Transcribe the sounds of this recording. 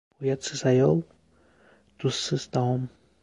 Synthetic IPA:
ujat͡sɨsajol | t̪usːɨst̪aom

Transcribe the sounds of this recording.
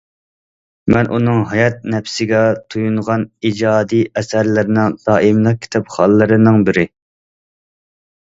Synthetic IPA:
mɛnʔunɨŋɦɑjɑt̪̚nɛpsɪɡʲɛt̪ʰujunʁɑnid͡ʒɑːd̪ijɛsæɾlɪɾɪnɪŋd̪̥ɑːimlˠɨq̚kʲʰi̥t̪ʰɑpχɑlˠːɨɾɨnɨŋbɪɾɪ

